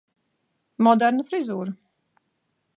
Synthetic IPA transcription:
mɔd̪ɛɾnufɾizuːɾu

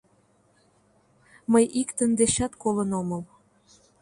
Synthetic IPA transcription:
məjʔikt̪ənd̪eɕɑt̪kolənoməl

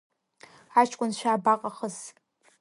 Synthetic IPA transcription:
at͡ʃʰʼkʷʼʊnʃʷᶣaːbaqʼaχəz

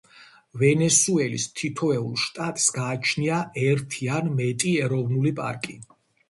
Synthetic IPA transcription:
vɛnɛsuɛlḭst̪ʰit̪ʰɔɛṵlˠʃt̪ʼat̪ʼsɡaːt͡ʃʰniaʔɛɾt̪ʰianmɛt̪ʼiɛɾɔvnulipʼa̰ɾkʼi

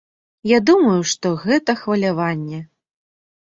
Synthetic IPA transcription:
jad̪umɐjuʂt̪ɔɣɛt̪ɐxvɐlʲavanʲːɛ

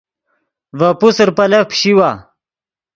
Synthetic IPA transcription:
vɐpusɾpɐlɐpʰɕiwa

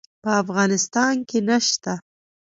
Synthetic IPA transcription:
pəafɣɑnɪst̪ɑnkenaʃt̪a

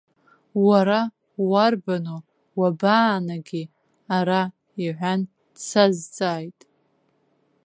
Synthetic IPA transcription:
waɾa | warbano | wabaːnaɡʲi | aɾa | iʕʷan | t͡sʰazt͡sʼaːjtʼ

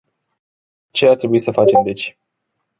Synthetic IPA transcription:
t͡ʃe̞art̪ɾebuisəfat͡ʃe̞md̪e̞t͡ʃʲ

